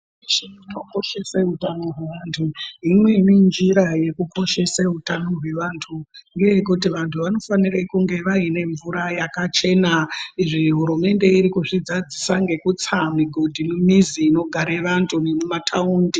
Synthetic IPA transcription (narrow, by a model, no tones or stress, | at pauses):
iʃiitokoʃeseɦutano̞ɦweʋantʰuimwe̞nind͡ʒiɾaje̞kuko̞ʃe̞seɦutano̞ɦwe̞ʋaːntʰuŋɡe̞jekut̬iʋantʰuʋano̞fanirekuŋɡe̞ʋaine̞ɱvuɾajakat͡ʃe̞naiʐiɦuɾume̞nde̞iɾikuʐid͡zad͡zisaŋɡe̞kut͡samiɡʱodʱinumiziːno̞ɡʱaɾeʋantʰunemumatʰauːndi